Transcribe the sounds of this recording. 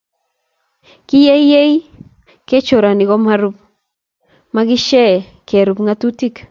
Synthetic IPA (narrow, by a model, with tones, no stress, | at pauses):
ki˦je˦jje˦j | ke˦t͡ʃo˨ɾa˨ni˨ɣo˦mha˦ɾu˦p̚ | ma˦ki˦ʃɛ˦˨ | ke˨ɾu˨pŋa˦tu˦ti˦k